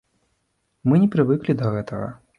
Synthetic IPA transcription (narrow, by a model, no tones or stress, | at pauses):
mɨnʲɛpɾɨvɨklʲid̪ɐɣɛt̪ɐɣɐ̰